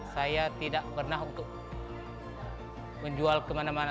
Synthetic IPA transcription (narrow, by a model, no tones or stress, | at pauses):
sajat̪idaʔpərnaɦunt̪ʊk̚ | məɲd͡ʒualkəmanamana